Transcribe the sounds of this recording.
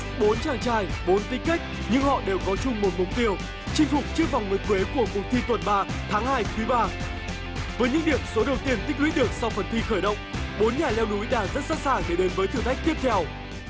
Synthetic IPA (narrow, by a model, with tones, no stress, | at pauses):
ɓo˨˦nt͡ɕaː˧˩ŋt͡ɕaː˧˩jɓo˨˦nt̪ï˧ŋ̟ka˦˥jk̟̚ | ɲɨ̰˧ŋhɔ̰˧˨ɗe˨˩wkɔ˨˦t͡ɕʊ˧ŋ͡mmo˨˩t̚mʊ˨˩k͡p̚t̪i˧əw | t͡ɕï˧ŋ̟fʊ˨˩k͡p̚t͡ɕɨ˦˥ək̚va˨˩wŋ͡mŋɨ˨˩kwe˨˦ku˧˩əkʊ˨˩k͡p̚t̪ʰi˧t̪wə˨˩nɓaː˧t̪ʰaː˨˦ŋhaː˧jkwi˨˦ɓaː˧ | vəː˨˦jɲɨ̰˧˥ŋɗi˨˩əm̚so˨˦ɗə˨˩wt̪i˧ənt̪ï̟˦˥hwḭ˧˥ɗɨ˨˩ək̚sa˧wfə˨˩nt̪ʰi˧xəː˧˩jɗə̰˧˨wŋ͡mɓo˨˦nɲaː˨˩lɛ˧wnu˨˦jɗaː˧˩ŋzə˦˥t̚sa̰ː˧˥nsaː˧˩ŋɗe˧˩ɗe˨˦nvəː˨˦jt̪ʰɨ˨˩t̪a˦˥jk̚t̪i˥əp̚t̪ʰɛ˧w